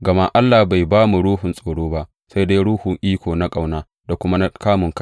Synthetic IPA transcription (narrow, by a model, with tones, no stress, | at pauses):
ɡɐ˨ma˦ʔa˦lːaː˨hba˨jbaː˦mu˨ɽuː˦hʊ˨nsʼoː˨ɽoː˦ba˦ʔ | sa˦jda˦jɽuː˦hʊ˨ŋʔiː˦kʷoː˨na˦kʼa˨wnaː˦ | da˨kʷʊ˦ma˦na˦kaː˦mʊ˨ŋka˦